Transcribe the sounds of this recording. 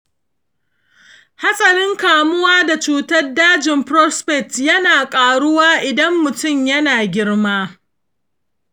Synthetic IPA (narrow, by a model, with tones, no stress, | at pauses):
ha˦sʼɐ˨ɾɪ˦ŋkaː˨mʊ˦waː˦da˨t͡ʃuː˦tɐ˦rdaː˦d͡ʒɪ˨mpɾɔ˦spɛ˨tjɐ˦naː˨kʼaː˨ɽʊ˦waː˦ʔɪ˨dɐ˦mːʊ˨tʊ˦˨mjɐ˦naː˨ɡʲɪ˦ɽmaː˦